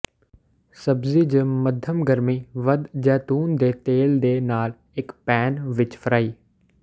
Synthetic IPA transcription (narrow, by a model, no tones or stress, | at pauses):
sɐbzid͡ʑəməd̪ʱəmɡəɾmiːʋɐd̪d͡ʒɛːt̪uːnd̪eːt̪eːld̪eːnaːl | ɪkpɛːnʋɪt͡ʃfʰəɾaːiː